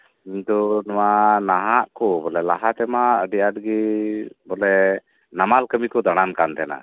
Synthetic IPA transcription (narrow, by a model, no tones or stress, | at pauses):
iɲt̪ɔnɔwanaɦaʔkɔbɔlɛlaɦat̪ɛmaəɖijadəɡibɔlɛ | namalkəmikɔd̪aɽ̃ankant̪ɛna̰